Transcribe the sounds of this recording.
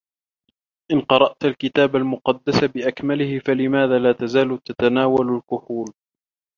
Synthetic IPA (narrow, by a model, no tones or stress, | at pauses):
ʔɪnqɑɾˤɑʔt̪alkɪt̪aːbalmʊqɑd̪ːasabɪʔakmalɪhɪfalɪmaːðaːlaːt̪azaːlt̪at̪anaːwalalkʊħuːl